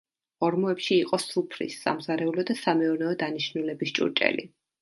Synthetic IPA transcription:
ɔɾmɔɛpʃiːqʼɔsupʰɾḭsːa̰mzaɾɛulɔd̪asamɛuɾnɛɔd̪aniʃnulɛbist͡ʃʼṵɾt͡ʃʼɛ̰lḭ

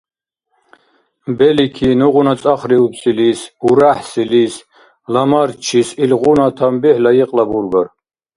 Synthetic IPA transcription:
mbɛlikʰinuʁunat͡sʼaχɾiupsilisuɾaħsilis | lamaɾt͡ʃʰisilʁunat̪ʰambiħlajiqʼlabuɾɡaɾ

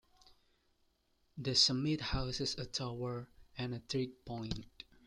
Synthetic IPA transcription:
d̪əsəmɪt̚haʊsɪsətʰawəɹɛ̃nət̪ʰɹit̚pʰɔ̃ɪ̃nt

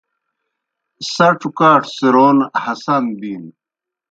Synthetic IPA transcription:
sɐʈ͡ʂukaːʈsiɾoːnhɐsɐnd̪iːn

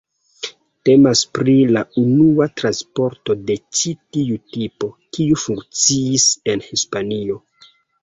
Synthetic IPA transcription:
te̞maspɾilaunuatɾanspo̞ɾto̞de̞t͡ʃitiutipo̞kiufuŋkt͡siːse̞nhispanio̞

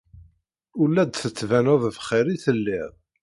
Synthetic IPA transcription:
ulːæd̪θət͡sːvænʊðvχɪɾiθəlːɪʁ

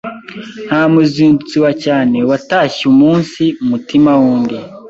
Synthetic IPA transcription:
nhamuziːndut͡siwacaːne̞wataːçiumuːnsiumutimawuːndi

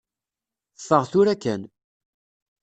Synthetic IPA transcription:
fəʁθʊɾækːæn

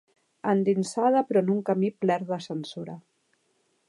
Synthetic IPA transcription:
ənd̪insað̞əpɾɔnuŋkəmiplɛɾðəsənsuɾa

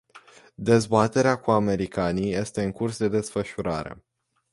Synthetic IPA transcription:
d̪e̞zbat̪e̞ɾeakuame̞ɾikanije̞st̪e̞ɨŋkursd̪e̞d̪e̞sfəʃuɾaɾe̞̰

